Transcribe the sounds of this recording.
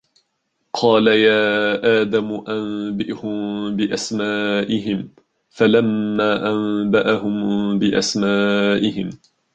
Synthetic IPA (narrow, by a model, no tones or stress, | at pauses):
qʰɑːlajaːʔaːd̪amʊʔambɪʔhʊmbɪʔasmaːʔɪɦɪm | falamːaːʔambaʔaɦʊmbɪʔa̰smaːʔɪhɪm